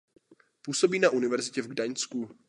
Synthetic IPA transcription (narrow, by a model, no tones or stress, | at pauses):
puːso̞biːnaʔunɪvɛɾzɪcɛvɡdaɲt͡sku